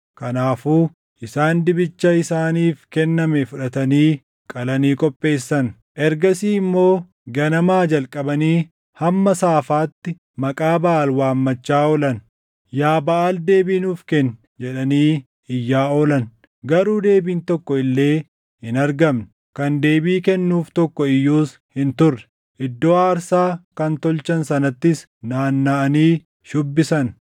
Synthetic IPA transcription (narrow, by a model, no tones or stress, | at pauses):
kɐnaːfuː | ʔɪsaːnd̪ɪbɪt͡ʃːɐɪsaːniːfkɛnːɐmɛfʊᶑɐt̪ɐniː | kʼɐlɐniːkʼɔpʼːe̞ːsːɐn | ʔɛɾɡɐsiːɪmːo̞ː | ɡɐnɐmaːd͡ʒɐlkʼɐbɐniː | hɐmːɐsaːfaːt̪ːɪ | mɐkʼaːbɐʔalwaːmːɐt͡ʃːaːɔlɐn | jaːbɐʔaːld̪e̞ːbiːnuːfkɛn | d͡ʒɛᶑɐniː | ɪjːaːɔːlɐn | ɡɐɾuːd̪e̞ːbiːnt̪ɔkːɔɪlːe̞ː | hɪnɐɾɡɐmn | kɐnd̪e̞ːbiːkɛnːuːft̪ɔkːɔɪjːuːs | hɪnt̪ʊrːɛ̥ | ʔɪd̪ːoːaːɾsaːkɐnt̪ɔlt͡ʃɐnsɐnɐt̪ːɪs | naːnːaːʔɐniː | ʃʊbːɪsɐn